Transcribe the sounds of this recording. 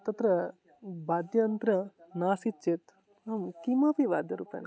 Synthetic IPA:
t̪ɐt̪ɾɐ | baːd̪jɐnt̪ɾɐnaːsit͡ʃet̪ | ɐmkimapiʋa̰ːd̪jɐɾṵpɐ̰n

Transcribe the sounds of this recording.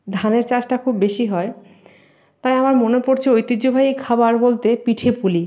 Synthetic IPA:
d̪ʱaneɾt͡ɕaʃʈakʰubːeʃiɦɔe | t̪ajamaɾmonepoɾt͡ɕʰeojt̪id͡ʑobʱajikʰabaɾbolt̪epiʈʰepuli

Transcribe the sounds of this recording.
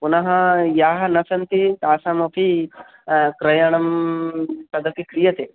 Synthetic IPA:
punɐɦɐjaːɦɐnɐsɐnt̪it̪aːsaːmɐpʰi | kɾɐjɐɳ̃ɐm | tɐd̪ʱɐkikɾijɐt̪e

